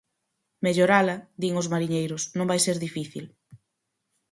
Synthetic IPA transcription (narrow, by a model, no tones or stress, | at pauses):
meʎoɾalɐðiŋʊzmaɾiɲejɾʊsnõŋbajseɾðifiθḭl